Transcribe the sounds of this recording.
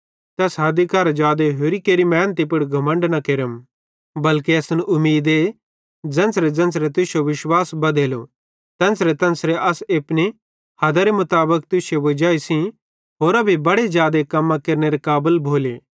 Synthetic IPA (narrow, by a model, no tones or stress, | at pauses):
t̪ɛsɦɐd̪ikɐɾd͡ʒaːd̪eɦoːɾikeːɾimɛ̃ːnt̪ip̬ʊɽɡʱɐmə̃ɳɖnɐkeːɾəm | bɐlkiɐsʊnʔʊmːiːd̪e | d͡zɐ̃nsɾed͡zɐ̃nsɾet̪ʊsjoʋɪʃwaːsbɐd̪eːlo | t̪ɛ̃nsɾet̪ɐ̃nsɾeʔɐseːpne | hɐd̪aɾemʊt̪aːbəkt̪ʊsjoʋɐd͡ʒaːisĩ | ɦoːɾɐbʱibɐɽezjaːd̪ekɐmːãkɐɾneɾekaːbəlbʱoːleː